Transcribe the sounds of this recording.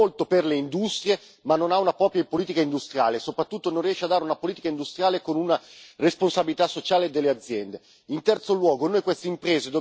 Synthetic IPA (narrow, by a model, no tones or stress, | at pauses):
olt̪operleind̪ust̪ɾje | manːonaunapɾɔːpjapoliːt̪̬ikaind̪ust̪ɾja̰ːlesopɾat̪ːut̪ːononriɛʃːead̪aːɾeunapoliːt̪ikaind̪ust̪ɾjaːlekonunaresponsabilit̪asːot͡ʃaːled̪elːead̪zːjɛnd̪e | int̪ɛrt̪solwɔːɡonojkwest̪eimpɾeːzed̪o